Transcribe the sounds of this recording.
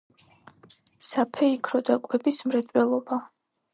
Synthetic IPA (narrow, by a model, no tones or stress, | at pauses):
sapʰɛikʰɾɔd̪akʼwɛbismɾɛt̪sʼwɛlˠɔba